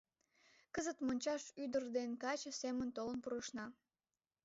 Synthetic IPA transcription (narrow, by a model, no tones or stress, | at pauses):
kəzət̪monʲt͡ɕɑʃyd̪ərd̪enkɑt͡ɕəsemənt̪olənpuɾəʃnɑ